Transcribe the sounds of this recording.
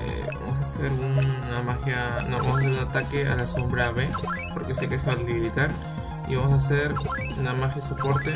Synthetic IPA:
ḛba̰mos̬aseɾunːamaxjanoβamosas̬eɾunat̪akeʔa̰laso̞mbɾaβepoɾkesekeseβalliβɾit̪aɾ | ḭβamos̬as̬eɾ | unamaxjasopo̞ɾt̪e

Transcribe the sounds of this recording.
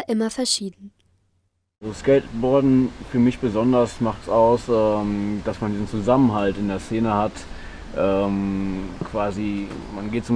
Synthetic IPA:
ʔɪmɐfɛɐʃiːdn̩ | zoskɛɪtətb̥ɔɐdn̩fyːɐmɪçb̥əzɔndɐsmaχtsaʊsʔɛːmd̥asmandiːzn̩t͡suzamənɦaltɪndeːɐst͡seːnəhat | ʔɛːmkv̥aːzimanɡeːtsʊm

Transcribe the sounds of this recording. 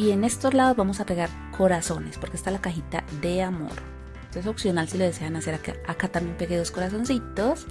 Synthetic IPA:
ie̞ne̞st̪o̞zlaðozβbamo̞sape̞ɣaɾ | kʰo̞ɾaso̞ne̞spo̞ɾkest̪alakaxit̪a̰ðe̞amo̞̰ɾ | t̪oesoksjo̞nalsilo̞ðe̞se̞anase̞ɾakaakat̪ambjempe̞ɣeðosko̞ɾas̬o̞nsit̪o̞s

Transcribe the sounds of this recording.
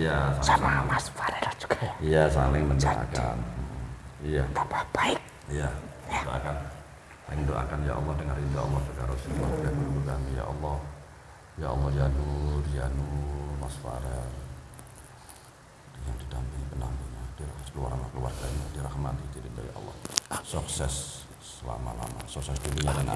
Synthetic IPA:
ijasaaamasfaɾɛɾat͡ʃu̥ɡajijasalɪŋməndoʔa̰ka̰n̩ijat̪apabaɪk̚ | ijaadoʔa̰kan | aɪŋməndoʔa̰kanja̰ʔɔ̰lːɔhdəŋarindaɔ̰lːɔhsəɡaɾʊsəkəlaɡakəɾubəɡamija̰ʔɔlːɔh | jaɔ̰lːɔhd͡ʒanurd͡ʒanurmasfa̰ɾa | jaŋdidampiŋipəna̰muɲadiɾahkəluaɾanakəlua̰rɡaɲadiɾahmat̪id͡ʒidibaḭʔɔ̰lːɔ̰hsuksɛsː | əla̰ma̰la̰ma̰suksɛsduliɲadana̰

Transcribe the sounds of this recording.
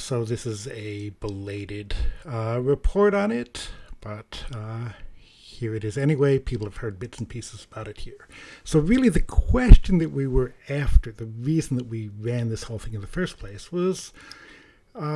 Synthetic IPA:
soʊðɪsɨzɨbəleɪɾɪd | ɹɨpʰɔɹɾn̩ɪt̚b̥ʌt̚ | hiɹɨɾɨzɛñiweɪpʰipl̩ˠəv̥hɜ˞d̚bɪtsn̩pʰisɨzəbaʊɾɨt̚hiɹsoʊɹɪlˠiðɨkʰw̥ɛst͡ʃɨ̃nðɨʔ̚wiwə˞æftə˞ðɨɹizn̩ðət̚wiɹæ̃nðɪshoʊlˠθɪ̃ŋɨ̃nðɨfɜ˞spʰl̥eɪswʌz̥

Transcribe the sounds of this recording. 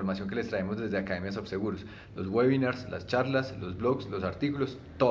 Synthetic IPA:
oɾmasjo̞ŋke̞le̞st̪ɾae̞mo̞zd̪e̞zd̪eakaðe̞mjas̬ofse̞ɣuɾos | lo̞zɡweβinaɾsla̰st͡ʃaɾlaslo̞zblo̞ɡslo̞saɾt̪ikulo̞s | t̪o

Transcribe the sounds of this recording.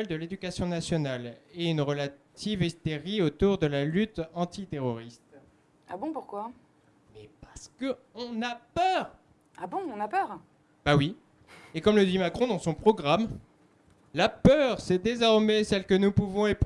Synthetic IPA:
ɛld̪əled̪ykasjɔ̃nasjɔnaleynʁəlat̪ʰivest̪eʁiot̪uʁd̪əlalyt̪ɑ̃t̪it̪eʁɔʁist̪ | a̰bɔ̃puʁkwa | mɛpaʁsə̥kə | ɔ̃napœːʁ | abɔ̃ːnapœʁ | b̥awi | ekɔmləd̪imakχɔ̃d̪ɑ̃sɔ̃pχɔɡʁam | lapœʁsɛd̪ezɔʁmɛsɛlkənupuvɔ̃ep

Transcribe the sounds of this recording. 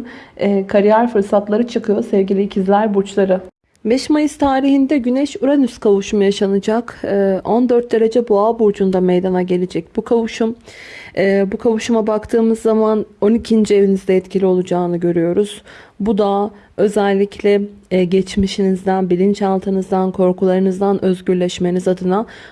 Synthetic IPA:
ɛːkʰaɾijæɾfɯɾsat̪lˠaɾɯt͡ʃʰɯkʰɯjo̞sɛvɟilʲiːcʰizlʲæɾbut͡ʃlˠaɾɯ | bɛʃmajɯst̪ʰaːɾiɦind̪ɛɟynɛʃuɾanyskʰavuʃumujaʃanɯd͡ʒakɯʔo̞nd̪øɾt̪̚d̪e̞ɾe̞d͡ʒɛbuabuɾd͡ʒund̪amejd̪anaɟe̞lʲed͡ʒɛc̚bukʰavuʃum | ɛːbukʰavuʃumabakt̪ʰɯːmɯzːamano̞nicʰind͡ʒie̞vinizd̪ɛɛt̪cʰilʲio̞lˠud͡ʒaːnɯɟø̞ɾyjo̞ɾuz̥bud̪a | ø̞zælʲːicʰlʲɛɟɛt͡ʃmiʃinizd̪ænbilʲint͡ʃalˠt̪ʰɯnɯzd̪ankʰo̞ɾkʰulˠaɾɯnɯzd̪anʔø̞zɟyɾlʲɛʃme̞nizad̪ɯna

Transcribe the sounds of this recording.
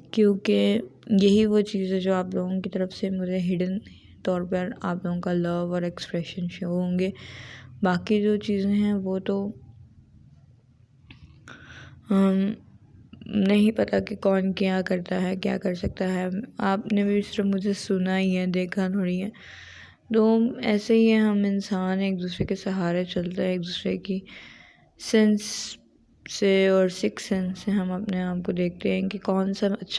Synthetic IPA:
kjõːkejɐɦiʋot͡ʃiːzɦɛ̃d͡ʒoːaːploːɡõkit̪ɐɾəfsemʊd͡ʒʱeɦɪɖən | t̪ɔːɾpəɾaːploːɡõkalɐʋɔːɾɛkspɾɛʃənʃoːɦõːŋɡeːbaːkid͡ʒoːt͡ʃiːzẽɦɛ̃ʋoːt̪o | nɐɦĩpɐt̪akekɔːnkjaːkɐɾt̪aɦɛkja̰ːkɐɾsɐk̚t̪aɦɛaːpnebʱisɪɾəfmʊd͡ʒʱesʊnaːiɦɛd̪eːkʰat̪ʰoːɽiɦɛː | t̪oːɛ̰ːseɦiɦɛɦɐmɪnsaːneːk̚d̪uːsɾekesɐɦaːɾet͡ʃɐlt̪aɦɛ̃eːk̚d̪uːsɾeki | sɛ̃nsː | eɔːɾsɪksɛ̃nsːeɦɐmɐpneaːp̚kod̪eːk̚ʰt̪eɦɛ̃kikɔːnsaɐtːʃʰ

